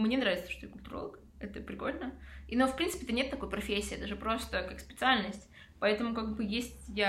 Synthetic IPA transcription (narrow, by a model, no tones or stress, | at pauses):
mnʲenɾavʲɪt̪sə̥ʂt̪ojakʊlʲt̪ʊɾolˠək | ɛt̪əpɾʲɪko̞lʲnəinofpɾʲinsɨpʲɪɛt̪ənʲet̪ːɐko̞jpɾɐfʲesʲːiːɛt̪əʐɨpɾo̞st̪əkakspʲɪt̪sɨalʲnəsʲtʲ | pɐɛt̪əmʊkaɡ̚bɨjesʲtʲja